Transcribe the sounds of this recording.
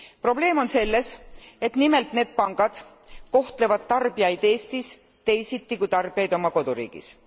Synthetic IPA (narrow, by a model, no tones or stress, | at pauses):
pro̞ble̞ːmo̞nse̞lːe̞se̞t̪nime̞lt̪ˑne̞ːd̪̥̚pɑŋɡ̥ɑd̪̥ | ko̞ht̪le̞vɑd̪̥̚t̪ɑrbiɑjd̪̥e̞ːst̪is | t̪e̞jsit̪ːikujt̪ɑrb̥ijɑjd̪o̞mɑko̞d̪̥uɾḭːɡ̥ḭs